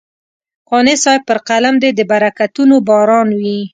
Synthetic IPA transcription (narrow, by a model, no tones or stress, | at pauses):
qɑnesɑjpəɾqalamd̪ed̪əbaɾakat̪unobɑɾɑnwi